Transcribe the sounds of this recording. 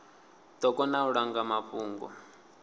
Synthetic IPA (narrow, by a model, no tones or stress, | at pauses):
t̪ɔkʼɔnauɺaŋɡamaɸuːŋɡɔ̰